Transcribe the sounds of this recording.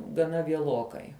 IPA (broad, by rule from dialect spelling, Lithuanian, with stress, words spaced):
ɡɐˈnɐ ʋʲiɛˈlˠoːkɐɪ